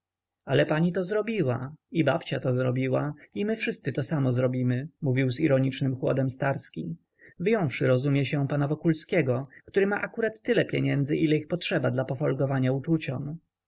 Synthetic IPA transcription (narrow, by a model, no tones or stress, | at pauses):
alɛpaɲit̪ɔzɾɔbʲiwaibapt͡ɕat̪ɔzɾɔbʲiwaimɘfʂɘst̪sɘt̪ɔsamɔzɾɔbʲimɘmuvʲiwziɾɔɲit͡ʂnɘmxwɔ̰d̪ɛmst̪aɾskʲi | vjɔ̃w̃fʂɘɾɔzumʲjɛɕɛpanavɔkulskʲɛɡɔkt̪uɾɘmaʔakuɾat̪ːɘlɛpʲjeɲɛnd̪zɘʔilɛixpɔtʂɛbad̪lapɔfɔlɡɔvaɲaut͡ʂut͡ɕɔm